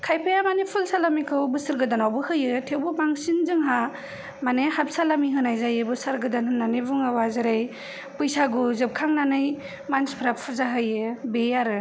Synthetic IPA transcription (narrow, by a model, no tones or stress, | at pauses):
kʰajpʰajamanipʰulsalamikʰɯwbɯsɯɾɡɯdanawbɯhɯjɯtʰewbɯmaŋsinzɯŋɦa | manehap̚salamiɦɯnajzajɯbɯsaɾɡɯdanɦɯnːanɯbuŋawazɯɾaj | pɯjsaɡuzɯp̚kʰaŋnanɯj | manspʰɾap̚pʰuzaɦɯjɯbejaɾɯ